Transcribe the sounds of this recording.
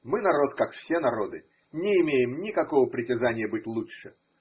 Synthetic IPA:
mɨnɐɾo̞t̪kakfsʲen̪ɐɾo̞d̪ɨ | nʲɪɪmʲejɪmnʲɪkɐko̞vəpɾʲɪtʲɪzanʲɪjəbɨtʲlˠuʂɨ

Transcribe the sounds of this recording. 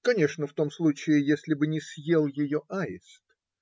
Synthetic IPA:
kɐnʲe̞ʂnəft̪o̞mslˠut͡ɕɪɪjesʲlʲɪbɨnʲɪsʲjelˠjɪjoʔaɪ̰st̪

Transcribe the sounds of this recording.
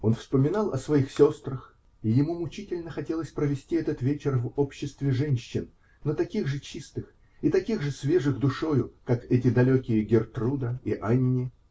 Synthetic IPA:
o̞nfspəmʲɪnɑlˠɐ̰svɐixsʲo̞st̪ɾəx | ijɪmumʊt͡ɕitʲɪlʲnəxɐtʲelˠəsʲpɾəvʲɪsʲtʲiɛt̪ət̪vʲet͡ɕɪrvopɕːɪst̪vʲɪʐɛnʲɕːɪnː | ot̪ɐkʲiɣʐɨt͡ɕist̪ɨx | it̪ɐkʲiɣʐɨsvʲe̞ʐɨɣd̪ʊʂo̞jʊkakɛtʲɪd̪ɐlʲokʲɪjəɡʲɪrt̪rud̪əiʔanʲːɪ

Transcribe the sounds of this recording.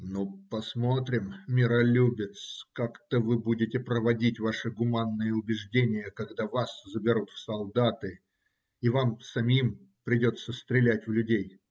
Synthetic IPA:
nopɐsmot̪ɾʲɪmːʲɪɾɐlʲubʲɪt̪skakt̪əvɨbudʲɪtʲɪpɾəvɐdʲitʲvaʂɨɡʊmanːɨjəʊbʲɪʐdʲenʲɪjəkɐɡd̪avaszəbʲɪɾut̪fsɐlˠd̪at̪ɨ | ivamsɐmʲim | pɾʲɪdʲot̪sːəst̪ɾʲɪlʲætʲvlʲʉdʲej

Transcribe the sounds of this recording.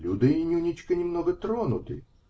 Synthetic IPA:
lʲud̪ɪinʲunʲit͡ʃʲkɐnʲimnɔɣɛt̪ɾɔnʊt̪ɪ̰

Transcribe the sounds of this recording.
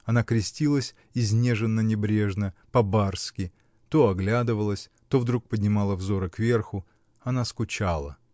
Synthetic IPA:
ɐnakɾʲɪsʲtʲilˠəsʲ | ɪzʲnʲe̞ʐɨnːənʲɪbɾʲe̞ʐnəpɐbarskʲɪ | t̪oɐɡlʲad̪ɨvəlˠəsʲ | t̪o̞vd̪ɾuk̚pədʲnʲɪmalˠəvzo̞ɾəkvʲe̞rxʊ | ɐnaskʊt͡ɕalˠə̰

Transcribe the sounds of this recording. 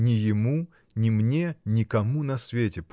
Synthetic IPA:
nʲɪjɪmu | nʲɪmnʲenʲɪkɐmunɐsvʲetʲɪp

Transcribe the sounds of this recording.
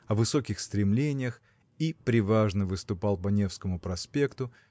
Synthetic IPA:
ɐvɨso̞kʲɪxst̪ɾʲɪmlʲenʲɪjəx | ipɾʲɪvaʐnəvɨst̪ʊpɑlˠpɐnʲe̞fskəmʊpɾɐspʲekt̪ʊ

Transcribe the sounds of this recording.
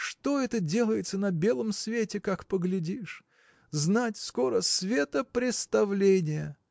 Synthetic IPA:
ʂt̪o̞ɛt̪ədʲe̞lˠəjɪt̪sənɐbʲe̞lˠəmsvʲetʲɪkakpəɡlʲɪdʲiʂ | znatʲsko̞ɾəsvʲe̞t̪əpɾʲɪt̪st̪ɐvlʲenʲɪjə

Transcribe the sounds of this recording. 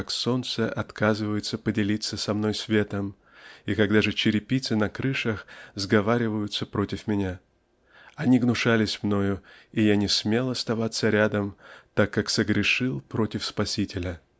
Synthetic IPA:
akso̞nt̪səʔɐt̪kazɨvəjʊt̪səpədʲɪlʲit̪sːəsɐmno̞jsvʲe̞t̪əm | ikɐɡd̪aʐɨt͡ɕɪɾʲɪpʲit̪sɨnɐkɾɨʂəxzɡɐvaɾʲɪvəjʊt̪səpɾo̞tʲɪfmʲɪnʲa | ɐnʲiɡnʊʂalʲɪsʲmno̞jʊijanʲɪsmʲe̞lˠɐst̪ɐvat̪sːəɾʲad̪əmt̪akːaksəɡɾʲɪʂɨlˠpɾo̞tʲɪfspɐsʲitʲɪlʲə

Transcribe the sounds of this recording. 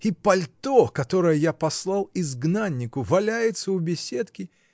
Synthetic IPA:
ipɐlʲt̪okɐt̪o̞ɾəjəjapɐslˠɑlˠɪzɡnanʲːɪkʊvɐlʲæjɪt̪səʊbʲɪsʲet̪kʲɪ

